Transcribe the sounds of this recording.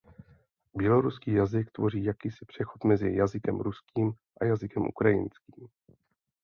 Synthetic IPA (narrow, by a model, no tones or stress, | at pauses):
bjɛlo̞ɾuskiːjazɪkt̪vo̞riːjakiːsɪ̥pr̝̥ɛxo̞t̪mɛzɪ̰jazɪkɛmɾuskiːm | ʔa̰jazɪkɛmʔṵkɾajɪ̰nskiːm